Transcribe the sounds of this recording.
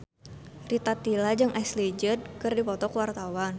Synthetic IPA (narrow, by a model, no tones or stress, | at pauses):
rit̪at̪ilad͡ʒɨŋʔaslid͡ʒəd̪̚kɨrdipɔt̪ɔkəwart̪awan